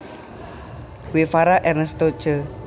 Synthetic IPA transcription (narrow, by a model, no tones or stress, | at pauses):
wefaɾaʔɛnəst̪od̥ʒ̥ə